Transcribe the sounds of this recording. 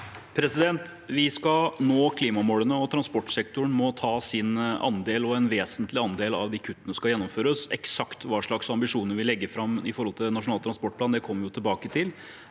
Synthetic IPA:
pʰɾɛsɪd̪ɛnt̪ | ʋɪskɑnoːkʰliːmɑmoːlənəɔt̪ʰɾɑnspɔʈːʂɛk̚t̪ʊɳmɔt̪ʰɑːsɪnɑ̰nd̪eːlɔɛnʋeːsənt̪lɪɑnd̪eːlɑ̰ʋd̪ɪkʰʉt̪ːənəskɑjɛnːɔmføːɾəsɛ̰ksɑkt̪ʋɑːʂɭɑksɑmbɪʂuːnəɾʋɪlɛɡːəfɾɑmɪfɔɾɔlt̪ʰɪlnɑʂʊnɑːt̪ɾɑnspɔʈ̚pʰlɑnd̪ɛkʰɔmːəɾjʊt̪ʰɪlbɑːkət̪ʰɪl

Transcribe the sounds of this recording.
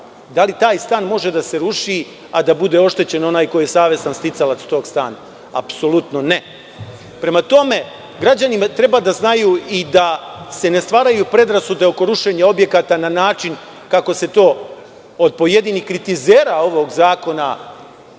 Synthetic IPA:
d̪alit̪aːjst̪aːnmo̞ʒe̞d̪ase̞ɾuʃi | ad̪abud̪e̞o̞ʃt̪e̞t͡ɕe̞no̞naːjko̞jijesaːʋje̞sanst̪it̪salat̪st̪o̞ːɡst̪a̰ːna | apso̞lut̪no̞ne̞ | pɾe̞mat̪o̞me̞ | ɡɾad͡ʑanimat̪ɾe̞baːd̪aznajuːid̪ase̞ne̞st̪ʋaːɾajupɾe̞d̪ɾasud̪e̞o̞ko̞ɾuʃe̞ɲao̞bje̞kat̪ananaːt͡ʃin | kako̞se̞t̪o̞ː | od̪̚po̞je̞d̪inikɾit̪izeːɾao̞ʋo̞ːɡzaːko̞na̰

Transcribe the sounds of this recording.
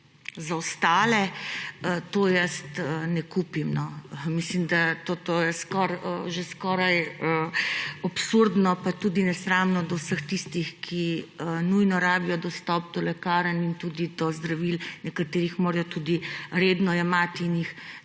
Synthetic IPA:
zawst̪aːlɛət̪oːjəst̪ənɛkuːpimnɔmislimd̪at̪ot̪ojɛskɔɾəʒeskɔːɾajəɔpsuɾd̪nɔpat̪uːd̪inɛsɾaːmnɔd̪ɔwsəxt̪ist̪ixkʰiənujnɔɾaːbijɔd̪ɔst̪ɔp̚d̪ɔlɛkaːɾanint̪uːd̪id̪ɔzd̪ɾaʋilnɛkat̪eːɾixmoːɾajɔt̪ud̪iɾeːd̪nɔjɛmat̪iːnjix

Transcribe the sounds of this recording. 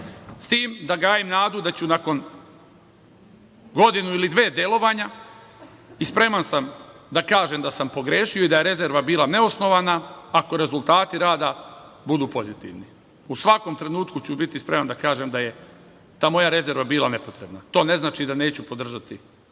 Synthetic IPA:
st̪iːmd̪aɡaːjimnaːd̪ud̪at͡ɕunako̞n | ɡo̞d̪inuilid̪ʋe̞ːd̪elˠo̞ʋaɲa | ispɾe̞mansamd̪akaːʒemd̪asampo̞ɡɾeːʃio̞id̪ajeɾe̞ze̞ɾʋabiːlˠane̞o̞sno̞ʋanaːko̞ɾe̞zult̪aːt̪iɾaːd̪abud̪uːpo̞zit̪ḭʋni | usʋako̞mt̪ɾe̞nuːt̪kut͡ɕubit̪ispɾemand̪akaːʒemd̪aje̞ | t̪aːmo̞jaɾe̞ze̞ɾʋabiːlˠane̞po̞t̪ɾe̞bnat̪o̞ːne̞znaːt͡ʃid̪ane̞ːt͡ɕupo̞d̪r̩ʒat̪i

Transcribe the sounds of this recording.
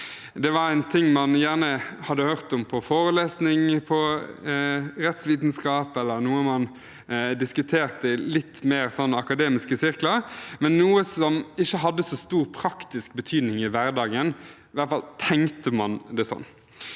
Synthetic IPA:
d̪ɛʋɑɾæɪnt̪ʰɪŋːmɑnjæːʁnəhɑd̪ːəhøːʁt̪ɔmpʰɔfoːɾəleːsnɪŋpʰɔ | ɾɛt̪sʋiːd̪nskɑːpɛlːəɾnuːəmɑn | d̪ɪskʉt̪ʰeːʁt̪əɪlɪt̪ːmeːɾsɔnːəɑkɑd̪eːmɪskəsɪɾkləmɛnːuːəsɔmɪçːəɦɑd̪ːəsɔst̪uːɾpʰɾɑkt̪ɪsk̚bət̪ʰyːd̪nɪŋɪʋæɾd̪ɑːɡən | ɪʋæɾt̪fɑlt̪ʰɛŋt̪əmɑnd̪ɛsɔ̰nː

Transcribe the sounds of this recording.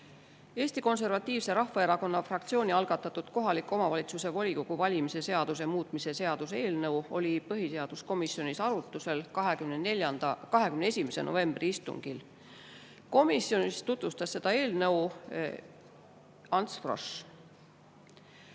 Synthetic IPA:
eːst̪iko̞ns̬e̞rvɑt̪ʲːˑiːvse̞ɾɑhvɑe̞ɾɑko̞nːɑfrɑkt̪sio̞ːnʲiɑlɡ̥ɑt̪ːˑɑt̪ːˑud̪̥ko̞ɦɑlikːˑo̞mɑvɑlʲit̪suse̞vo̞lʲikoɡ̥uvɑlʲimise̞se̞ɑd̪̥us̬emuːt̪ˑmise̞se̞ɑd̪̥use̞ːlnɤwo̞̰lʲipɤɦiseɑd̪̥usko̞misjo̞nisɑɾut̪ːˑuse̞lkɑɦekymneneljɑnd̪ɑkɑɦe̞kymneesʲimeseno̰ve̞mb̥riist̪ṵŋɡ̥il | ko̞misjo̞nist̪ut̪vust̪ɑsːe̞d̪ɑe̞ːlnɤw | ɑnt̪sfro̰ʃ

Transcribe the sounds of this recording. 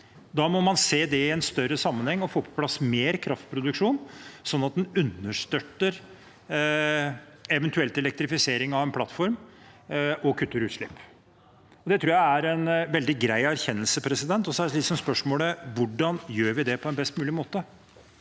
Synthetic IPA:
d̪ɑːmɔmɑnseːd̪ɛɪɛnst̪œɾəsɑmːənhɛŋːɔfoːpʰɔ̥pʰlɑsmeːɾkʰɾɑft̪̚pʰɾʊd̪ʉkʂuːnsɔnːɑt̪̚d̪ɛnʉnːəʂt̪œt̪ːəɾ | ɛʋɛnt̪ʉɛlt̪ɛlɛk̚t̪ɾɪfɪseːɾɪŋɑʋɛnpʰlɑt̪ːfɔɾm | ɔkʰʉt̪ːəɾʉːt̪ʂlɪpː | ɔd̪ɛt̪ʰɾuːjææɾɛnʋɛld̪ɪɡɾæɪæɾçɛnːəlsəpʰɾɛsɪd̪ɛnt̪ɔsælɪsɔmspœʂmoːləʋʊɖɑnjøːɾʋɪd̪ɛpʰɔɛnbɛst̪mʉːlɪmoːt̪ə

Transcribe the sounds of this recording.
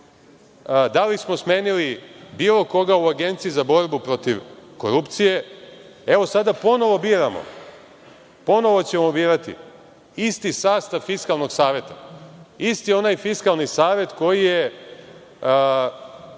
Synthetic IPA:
d̪alismo̞smeːnilibiːlo̞ko̞ɡauaɡe̞nt̪siizabo̞ɾbupɾo̞t̪iʋko̰ɾupt̪sije̞ | e̞ʋo̞sad̪apo̞no̞ʋo̞biːɾamo̰ | po̞no̞ʋo̞t͡ɕemobiːɾat̪ḭ | ist̪isaːst̪aʋfiskalˠno̞ɡsaːʋjet̪a̰ist̪io̞najfiskalˠnisaːʋje̞t̪ko̞jije

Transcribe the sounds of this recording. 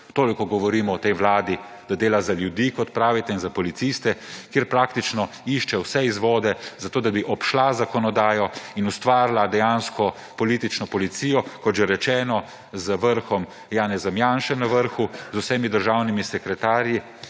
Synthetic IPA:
t̪oːlikɔɡɔʋɔɾiːmɔɔt̪ejʋlaːd̪i | d̪̥ad̪eːlazaljud̪iːkɔt̪pɾaːʋit̪ɛinzapɔlit̪sist̪ɛkjeːɾpɾaːk̚t̪it͡ʃnɔ | iʃt͡ʃɛwsɛizʋɔːd̪ɛzat̪oːd̪abiʔɔpʃlazakɔnɔd̪aːjɔinust̪ʋaːɾlad̪ɛjanskɔ | pɔliːt̪it͡ʃnɔpɔlit̪siːjɔkɔt̪ʒɛɾɛt͡ʃɛːnɔ | zəʋəɾxɔm | jaːnɛzɐmjanʃɛnɐʋəɾxuzusɛːmid̪əɾʒawnimisɛkɾɛt̪aːɾji

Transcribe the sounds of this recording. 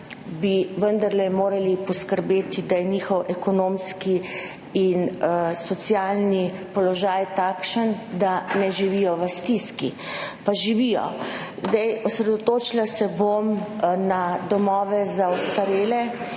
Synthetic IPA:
biʋənd̪aɾlɛmoːɾalipɔskəɾbeːt̪id̪ajɛniːxɔwʔɛkɔnomski | insɔt̪sjalnipɔlɔʒaːjt̪aːkʃənd̪anɛʒiʋijɔʋəst̪iskipaʒiʋijɔ̰zd̪ɛjɔsɾɛd̪ɔt̪oːt͡ʃilasɛbomnad̪ɔmɔːʋɛzaɔst̪aɾeːlɛ

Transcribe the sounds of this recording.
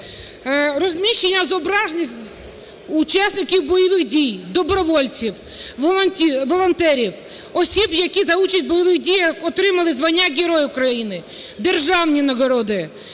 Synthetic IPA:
rɔzʲmʲiʃt͡ʃːenʲːɐzɔbɾɑʒnɪx | ut͡ʃasʲnɪkʲiwbɔjɔʋɪɣdʲijd̪ɔbɾɔʋɔlʲt͡sʲiwʲ | iʋɔlˠɔnt̪ɛɾʲiw | ɔsʲibjɐkʲizɐut͡ʃɐsʲt̚ʲbɔjɔʋɪɣdʲijɐkɔt̪ɾɪmɐlˠɪzʋɐnʲːaɡʲeɾɔjʊkɾɐjinɪd̪erʒɑwnʲinɐɡɔɾɔd̪ɪ

